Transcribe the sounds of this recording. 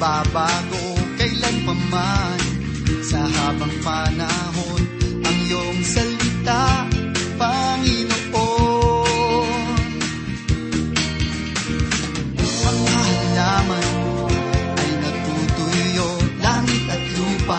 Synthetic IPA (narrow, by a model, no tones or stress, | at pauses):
babaːɡokɐɪlaŋmɐmaj | sɐɦaːbɐŋpɐnaɦonʔɐŋloʔoŋsɐlɪt̪a | pɐŋɪnoʔo | n | pɐɡ̚aɦɐlaːmɐn | ʔɐjnɐt̪uːt̪ʊjːolaːŋɪt̪̚ʔɐt̪luːpa